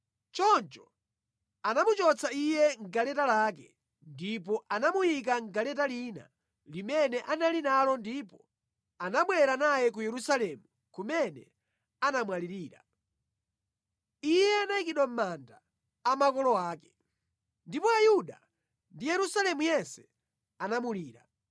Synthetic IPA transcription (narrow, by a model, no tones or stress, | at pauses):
t͡ʃɔnt͡ʃɔ | anamut͡ʃɔt͡sʰaijɛŋɡalɛtalak̬ɛ | ndipɔʔanamujikaŋɡalɛtalina̰ | limɛnɛʔanalinalɔndipɔ | anaɓwɛɾanajɛk̬ujɛɾusalɛmu | kumɛnɛ | anamwaliɾiːɾa | ijɛanajik̬iɗwam̩mandaː | makɔlɔaːkɛ̥ | ndipɔajuɗa | ndijɛɾusalɛmujɛnsɛ̥ | anamuliːɾa̰